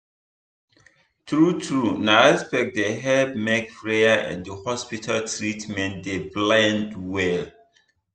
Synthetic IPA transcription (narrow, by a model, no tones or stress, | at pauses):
tɹutɹunaaspɛk̚deɦɛbmɛkpɹeaʔɛ̰̃ndəhɔspitʰaltɹitmɛ̃ntdeblɛ̃ndwɛl